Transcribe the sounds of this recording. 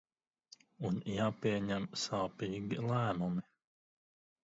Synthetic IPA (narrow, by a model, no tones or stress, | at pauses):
unjaːpiɛɲæmsaːpiːɡʲilˠæːmumi